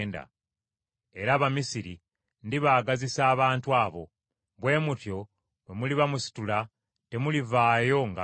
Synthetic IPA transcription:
nda̰ | e̞ɾaβamisiɾi | ndiβaːɡazisaːβaːntuaːβo̞̰ | βwe̞ːmutjo̞ | we̞muliβamusi̥tula | te̞mulivaːjo̞ŋɡa

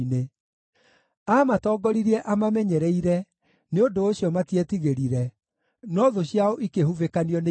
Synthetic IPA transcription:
ne | amatɔːɡɔɾiɾiɛʔamamɛɲɛɾɛiɾɛ | neondoːɕiɔmatiɛtiɣeɾiɾɛ | nɔðoɕiaoʔikehuvekaniɔne

